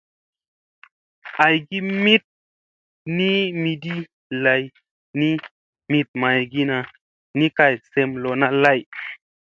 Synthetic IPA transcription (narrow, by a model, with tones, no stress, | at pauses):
a˨jɡi˦mi˦t̚ | ni˦mi˨di˦ | la˨j | ni˦ | mi˨t̚ma˨jɡi˦na˨ | ni˦ka˨jse˧mlo˨na˦la˦˨j